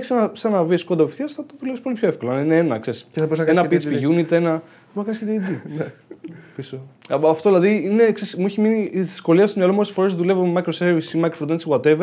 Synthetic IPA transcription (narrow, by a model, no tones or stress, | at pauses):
çisenɐsɐnɐviskond̪ɐpefθiɐsθɐt̪oðulepispo̞lipçoefko̞lɐnineenɐksesenɐpit͡spiʝunit̪enɐ | bonɐkɐsket̪id̪i | pisoɐft̪o̞ðilɐðiine̞ksesmuiçiminiðisko̞liɐst̪omɲɐlomosfo̞ɾesðulevomɐjkɾoseɾvisimɐjkɾoft̪ensɣwɐt̪eve